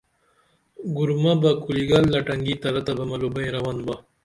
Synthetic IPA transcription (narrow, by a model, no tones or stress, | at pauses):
ɡuɾmabakuliɡalːaʈɐŋɡit̪ɐɾat̪abamɐlubaj̃ɾawand̪ba